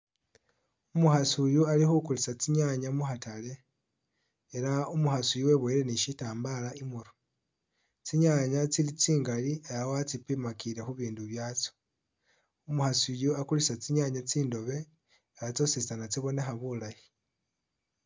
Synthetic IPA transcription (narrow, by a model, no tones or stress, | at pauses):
umuxasujualixukulisat͡siɲaɲamuxatale̞ | elaumuxasujuwe̞βwoiɾe̞niʃitaːmbalaimuɾo | t͡siɲaɲat͡silit͡siːŋɡaliajawoat͡sipimakile̞xuβiːnduβjaːt͡so̥ | umuxasujuakulisat͡siɲaɲat͡siːndo̞βe̞ | elat͡so̞sisanat͡siβo̞nexaβulaji̥